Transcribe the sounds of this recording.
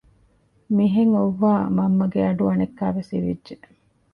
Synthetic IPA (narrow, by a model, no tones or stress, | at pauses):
miɦeŋoʋːaːmɐmːɐɡeɐɖuɐnekːæːʋesḭʋḭdʒe